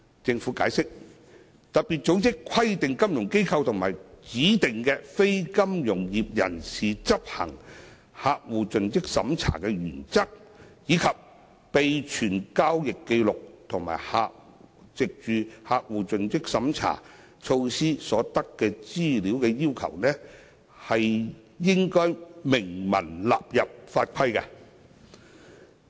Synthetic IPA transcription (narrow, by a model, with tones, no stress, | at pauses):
t͡sɪ˧ŋfuː˨˥kaː˨˧˥jsɪ˥k̚ | t̪ɐ˨t̚piː˨t̚t͡so˨˥wt͡sɪ˥kʷʰɐ˥jt̪ɪ˨ŋkɐ˥mjʊ˨˩ŋke˥jkʰɐ˧wt̪ʰʊ˨˩ŋma̰ː˨˩jt͡siː˨˥t̪ɪ˨ŋkɛː˧fe˥jkɐ˥mjʊ˨˩ŋjiː˨p̚jɐ̰˨˩nsiː˨t͡sɐ˥p̚hɐ̰˨˩ŋ | haː˧k̚wuː˨t͡sɵ˨nt͡sɪ˥k̚sɐ̰˨˥mt͡sʰa̰ː˨˩kɛː˧ɥy̰ː˨˩nt͡sɐ˥k̚jiː˨˧kʰɐ˨p̚ | pe˨jt͡ʃʰyː˨˩nkaː˥wjɪ˨kːe˧jlʊ˨k̚t̪ʰʊ˨˩ŋma̰ː˨˩jha̰ː˧k̚t͡sɪ˨k̚t͡ʃyː˨˧haː˧k̚wuː˨t͡sɵ˨nt͡sɪ˥k̚sɐ˨˥mt͡sʰa̰ː˨˩ | t͡ʃʰo˧wsiː˥sɔː˨˥t̪ɐ˥kːɛː˧t͡siː˥liː˨˥wkɛː˧jiː˥wkʰɐ˨˩wnɛː˥ | hɐ˨j | jɪ˥ŋkɔː˥jmɪ˨˩ŋmɐ̰˨˩nlaː˨p̚jɐ˨p̚faː˧t̚kʷʰɐ˥jkɐ˧